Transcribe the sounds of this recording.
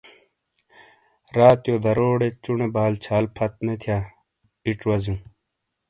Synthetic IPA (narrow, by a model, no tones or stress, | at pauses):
ɾaːt̪joːd̪ɐɾoːɽet͡ɕuɳebaːlt͡ɕʰaːlpʰɐt̪̚met̪ʰjaː | iʈ͡ʂwɐzũː